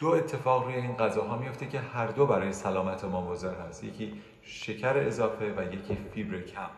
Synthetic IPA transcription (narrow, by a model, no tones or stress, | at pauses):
d̪̥oe̞t̪ʰːe̞fɒːɣɾuːje̞iːnɢæzɒːɦɒːmijo̞ft̪ʰe̞cʰe̞hæɾd̪o̞bæɾɒːje̞sælɒːmæt̪ʰemɒːbozeɾhæst̪je̞̰cʰiː | ʃe̞cʰæɾeːzɒːfe̞væje̞cʰiːfibɾecʰæm